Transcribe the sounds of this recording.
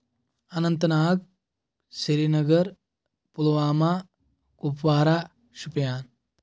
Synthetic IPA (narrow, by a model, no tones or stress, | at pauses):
ɐnɐnt̪ɐnaːɡ | seɾinɐɡɐɾ | pulɐʋaːmaː | kupʋaːɾaː | ʃupjaːn